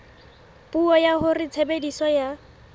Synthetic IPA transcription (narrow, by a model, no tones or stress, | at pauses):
pʼuɔjahʊrɪt͡sʰebedisɔja